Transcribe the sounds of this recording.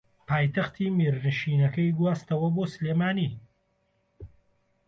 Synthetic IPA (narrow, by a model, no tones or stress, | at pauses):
paːjt̪ɐxt̪ʰiːmiɾnɨʃiːnɐkɐjɡwaːst̪ɐwɐboːsɨleːmaːniː